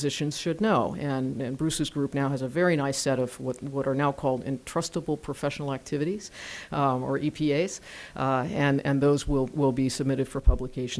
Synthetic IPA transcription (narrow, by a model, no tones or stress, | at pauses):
zɪʃɨ̃nz̥ʃɨdⁿnoʊɨ̃nɨ̃nbɹʉsɨzɡɹʉpnaʊɨzɨvɛɹiñaɪsɛɾʌv̥wʌt̚wʌɾə˞naʊkʰɔlˠdɪ̰̃ntʰɹ̥ʌstəbl̩ˠpʰɹ̥əfɛʃnl̩ˠæk̚tʰɪvɨɾiz̥ | ə˞ʔipʰieɪz̥ | ɨ̃nɨ̃nðoʊzwɪlˠwɪlˠbisəb̚mɪɾɨd̥fə˞pʰʌbləkʰeɪʃ